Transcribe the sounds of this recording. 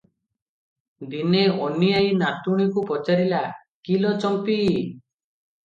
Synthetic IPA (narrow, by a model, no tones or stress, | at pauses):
d̪ineɔnijajnat̪uɽ̃ikupɔt͡ʃaɾila | kilɔt͡ʃɔmpi